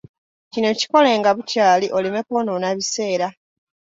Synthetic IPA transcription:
cino̞ci̥ko̞le̞ːŋɡaβutaːliʔo̞lime̞kononaβise̞ːɾa

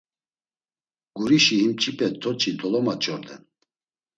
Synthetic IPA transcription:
ɡ̥uɾiʃiɦimt͡ʃʰʼipʼɛt̪ʰɔt͡ʃʰʼid̪ɔlɔmat͡ʃʼɔɾd̪ɛ̰n

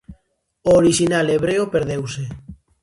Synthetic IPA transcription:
oːɾiʃinaleβ̞ɾeopeɾðewse

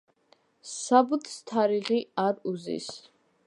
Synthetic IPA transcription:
sabut̪ʰst̪ʰaɾiʁiaɾuzḭs

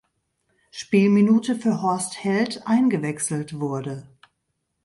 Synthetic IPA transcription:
ʃpiːlminuːtəfyːɐhɔɐsthɛltʔaɪnɡəvɛksl̩tv̥ʊɐdə

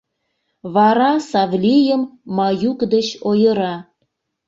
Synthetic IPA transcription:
βɑɾɑsɑβlʲijəmːɑjukd̪ət͡ɕojəɾɑ

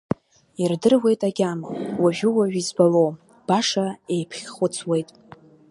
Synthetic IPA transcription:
irdɨrwe̞jtʼaɡʲamawaʒᶣʊwaʒᶣizbalo̞w | b̥aʂae̞jpʰχʲχʊt͡sʰwe̞jtʼ

